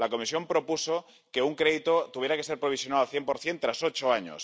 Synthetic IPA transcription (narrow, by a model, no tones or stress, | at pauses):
lakomisjo̞mpɾopuso | keuŋkɾeðit̪ot̪uβjeɾakeseɾpɾoβ̞isjonaalθjempoɾθjent̪ɾasot͡ʃoaɲo̰s